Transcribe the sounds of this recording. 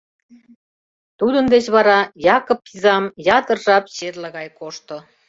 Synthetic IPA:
t̪ud̪ənd̪et͡ɕβɑɾɑjɑkopːizɑmjɑt̪ərʒɑpɕerləɣɑjkoʃt̪o

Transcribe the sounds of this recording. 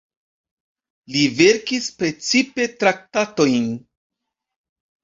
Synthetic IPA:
live̞ɾkispɾe̞t͡sipe̞tɾak̚tato̞jn

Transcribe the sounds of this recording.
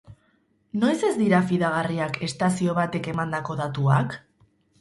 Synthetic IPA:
no̞jse̞zd̪iɾafiðaɣariake̞st̪asio̞β̞at̪e̞ke̞mand̪ako̞ðat̪uak

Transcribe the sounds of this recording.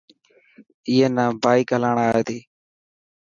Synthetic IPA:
ɪːeːnãːbaːiːkəlaːɳaːeːt̪iː

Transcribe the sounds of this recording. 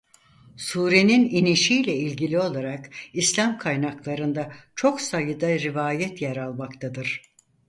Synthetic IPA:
suːɾe̞nininiʃijlʲɛilʲɟilʲio̞lˠaɾakislʲamkʰajnaklˠaɾɯnd̪at͡ʃʰo̞ksajɯd̪aɾivaːjɛt̪jɛɾalˠmakt̪ʰad̪ɯɾ̥

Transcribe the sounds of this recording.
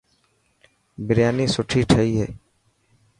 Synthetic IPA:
bɪɾjaːniːsʊʈʰiːʈʰəiːɦeː

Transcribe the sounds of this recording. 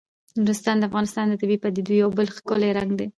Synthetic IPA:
mɾʊst̪ɑnd̪əafɣɑnɪst̪ɑnd̪ət̪ɪbipad̪id̪ujawbəlxkʊleɾaŋɡd̪e

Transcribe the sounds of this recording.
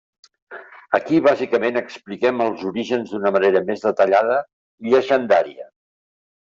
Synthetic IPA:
əkiβazikəmenəksplikɛməlˠzuɾiʒənzðunəməneɾəmezðət̪əʎað̞ə | iʎəʒənd̪aɾiə

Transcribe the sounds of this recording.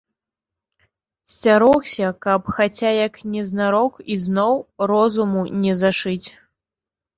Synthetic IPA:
sʲt͡sʲaɾɔxsʲɐkɐpxat͡sʲajɐknʲɛznaɾɔkiznɔwrɔzumunʲɛzaʂɨt͡sʲ

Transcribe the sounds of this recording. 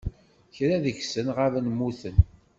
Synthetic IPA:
çɾæðəçsənʁavnmːuθən

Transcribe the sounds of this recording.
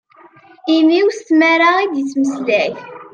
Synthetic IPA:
imiwst̪mæɾaid̪jət͡sːməsd̪æç

